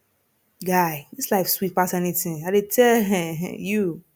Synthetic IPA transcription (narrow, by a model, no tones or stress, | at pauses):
ɡaɪdislaɪkfswit̚pasɛnitĩŋaɪdetʰɛlɦɛɦɛ̰̃ju